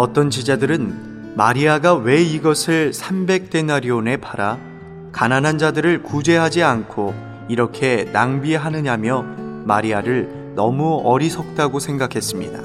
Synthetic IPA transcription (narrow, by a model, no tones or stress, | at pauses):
ʌt͈ʌnt͡ɕid͡ʑadɯɾɯn | maɾiaɡawe̞iɡʌsʰɯɭsʰambe̞k̚t͈e̞naɾjone̞pʰaɾa | kananɦand͡ʑadɯɾɯɭkud͡ʑe̞ɦad͡ʑiankʰo | iɾʌkʰe̞naŋbieɦanɯɲamjʌmaɾiaɾɯɭ | nʌmuʌɾisʰʌk̚t͈aɡosʰe̞ŋɡakʰe̞s͈ɯmɲḭda̰